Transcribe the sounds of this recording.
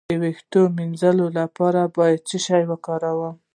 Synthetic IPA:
əwext̪ominzəlolapɑɾabɑjad̪̚t͡səʃɑjwəkɑɾawəm

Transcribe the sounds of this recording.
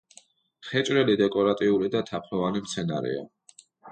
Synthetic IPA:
χɛt͡ʃʼɾɛlid̪ɛkʼɔɾat̪ʼiulid̪at̪ʰapʰɾɔvanimt̪sʰɛnaɾɛ̰a̰

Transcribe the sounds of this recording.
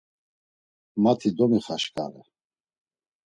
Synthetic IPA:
mat̪ʰid̪ɔmiχaʃkʼa̰ɾɛ

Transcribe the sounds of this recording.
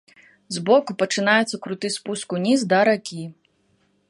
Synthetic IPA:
zbɔkupɐt͡ʂɨnajɛt̪sɐkɾut̪ɨspuskunʲizd̪ɐɾakʲi

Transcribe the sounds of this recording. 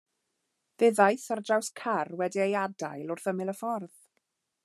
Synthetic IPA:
ð̥eðajθardrawskʰarwɛdiejadajlˠʊrθəmɪlˠəfɔrð̥

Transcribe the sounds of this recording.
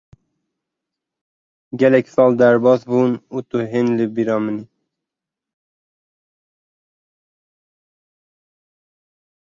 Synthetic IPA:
ɡælɛksɑːld̪æɾbɑsbunut̪uɦinlibiɾɑmini

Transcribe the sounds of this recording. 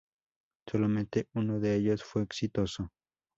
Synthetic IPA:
so̞lamẽnt̪eunoðe̞eʎo̞sfwe̞ːksit̪o̞so

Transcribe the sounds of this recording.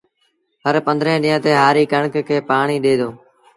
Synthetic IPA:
ɦəɾpənd̪ɾə̃ːɗɪːãːt̪eːɦaːɾiːkəɳkkʰeːpaːɳiːɗeːd̪oː

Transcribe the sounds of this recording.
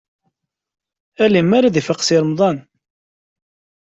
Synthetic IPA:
ælimːaɾaðifəqsiɾmðˤɑn

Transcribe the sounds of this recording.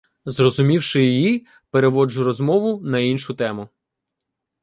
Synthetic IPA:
zrɔzʊmʲiwʃɪjiji | peɾeʋɔd͡ʒʊɾɔzmɔʋʊnɐinʃʊt̪ɛmʊ

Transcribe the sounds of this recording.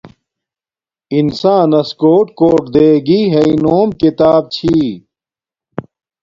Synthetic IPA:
insãːnɐskoːʈkoːʈd̪eːɡiːɦeinoːmkit̪aːb̚t͡ɕʰi

